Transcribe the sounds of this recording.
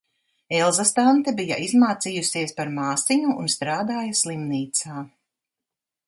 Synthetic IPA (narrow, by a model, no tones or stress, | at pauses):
ɛlˠzast̪ant̪ɛbija̰ʔizmaːt̪sijusiɛspaɾmaːsiɲṵːnst̪ɾaːd̪aːjɐslˠimniːt̪saː